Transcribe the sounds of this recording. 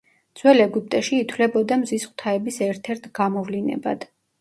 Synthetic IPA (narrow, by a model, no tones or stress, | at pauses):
d̪z̥wɛlɛɡup̚t̪ʼɛʃiːt̪ʰlɛbɔd̪amzisχwt̪ʰaɛbisɛɾt̪ʰɛɾt̪ʰɡ̥amɔvlinɛ̰ba̰d̪̥